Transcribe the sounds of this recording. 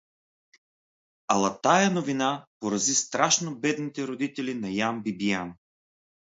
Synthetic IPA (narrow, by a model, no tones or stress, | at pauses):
ɐlˠɐt̪ajɐnovinapoɾɐzist̪ɾaʃnobɛd̪nit̪ɛɾod̪it̪ɛlinɐjambibijan